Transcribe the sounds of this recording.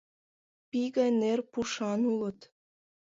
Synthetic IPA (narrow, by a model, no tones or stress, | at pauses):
piɣɑnerpuʃɑnulə̆t̪